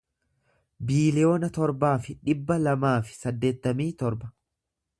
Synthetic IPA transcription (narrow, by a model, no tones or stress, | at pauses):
biːlɪjo̞ːnɐt̪ɔɾbaːfɪᶑɪbːɐlɐmaːfɪ̥sɐd̪ːe̞ːt̪ːɐmiːt̪ɔɾbɐ̥